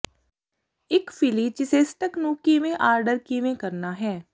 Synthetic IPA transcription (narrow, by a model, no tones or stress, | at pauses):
ɪkfɪlit͡ʃɪsesʈəknuːkimẽʔaːɾɖəɾkiʋẽkɐɾnaɦɛː